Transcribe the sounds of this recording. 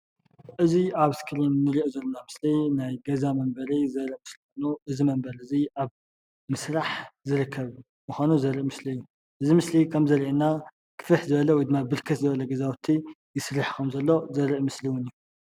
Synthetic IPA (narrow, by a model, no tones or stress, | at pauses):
ʔɨziaβskʰɨɾinːɨɾiʔzɐlːonamɨslinajɡɐzamɐmbɐɾizɐɾiʔmɨslixonuʔɨzimɐmbɐɾɨziʔaβ | mɨsɾaħzɨɾɨkʰːɐβ | mɨxʷanuzɐɾiʔmɨsliɨjːu | ʔɨzimɨslikʰɐmzɐɾiʔena | kʰɨ̥fɨħzɨβɐlɐwɔjd̪ɨmːabɨɾkʰɐt̪zɨβɐlɐɡɐzawt̪ʰːi | jɪsɨɾiħkʰɐmzɐlːo̞zɐɾɨʔmɨsliwʊniju